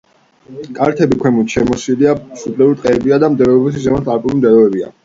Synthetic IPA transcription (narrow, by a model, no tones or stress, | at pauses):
kʼaɾt̪ʰɛbikʰwɛmut̪ʃɛmɔsiliasupʰlɛuɾt̪ʼqʼɛːbiad̪amd̪ɛɾɔɛbusizɛmat̪ʰʼaɾpʼuɾimd̪ɛɾɔɛbia̰